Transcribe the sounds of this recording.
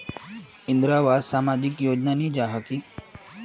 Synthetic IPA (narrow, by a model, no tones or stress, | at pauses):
ɪnd̪ɾaʋad̪saːmaːd͡ʒikjoːd͡ʒnanid͡ʒaːɦaki